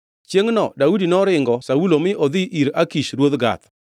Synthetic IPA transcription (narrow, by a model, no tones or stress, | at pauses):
t͡ʃjeŋnɔdaudinɔɾɪŋɡɔsaulomɪʔod̪ɪʔiɾakiʃɾwod̪ɡa̰t̪